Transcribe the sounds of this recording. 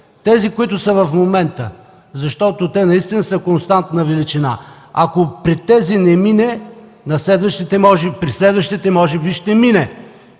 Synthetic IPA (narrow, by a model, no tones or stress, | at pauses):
t̪ɛzikoit̪ʊsɐvɐfmomɛnt̪ə | zɐʃt̪ɔt̪ot̪ɛnɐist̪inəsɐkonst̪ant̪nɐvɛlit͡ʃina̰ | akopɾit̪ɛzinɛminɛ | nɐslɛd̪vəʃt̪it̪ɛmɔʒɛpɾislɛd̪vəʃt̪it̪ɛmɔʒɛbiʃt̪ɛminɛ